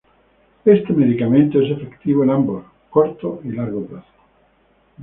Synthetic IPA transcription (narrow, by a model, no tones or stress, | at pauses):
est̪emeðikamẽnt̪oesefekt̪iβ̞oenambos | koɾt̪oilaɾɣoplaθo̥